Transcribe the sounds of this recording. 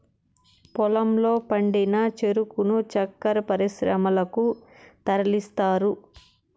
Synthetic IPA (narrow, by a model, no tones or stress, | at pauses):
pɔlɐmlo̞ːpɐɳɖinɐt͡ʃe̞ɾukunut͡ʃɐkːɐɾpɐɾiʃɾɐmɐlɐku | t̪ɐɾɐlist̪aːɾu